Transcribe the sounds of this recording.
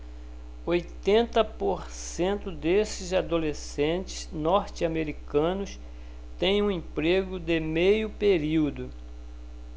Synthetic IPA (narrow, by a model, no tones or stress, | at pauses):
ojt̪ẽnt̪ɐpoɾ | sẽnt̪ʊd̪esɪzad̪olesẽt͡ʃɪ̥znɔɾt͡ʃɪameɾikɐ̃nʊs | t̪ẽj̃ũẽpɾeɡʊd̪emejʊpeɾiwd̪ʊ